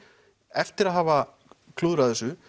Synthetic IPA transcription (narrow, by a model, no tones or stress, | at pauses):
ɛft̪ɪɾaðɦaːva | kʰluðɾaðɛsʏ